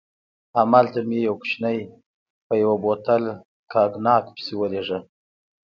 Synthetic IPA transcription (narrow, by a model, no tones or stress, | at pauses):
amalt̪amjejawkʃnaj | pəjawabot̪al | kʰɑɡnɑkpsewəleʐa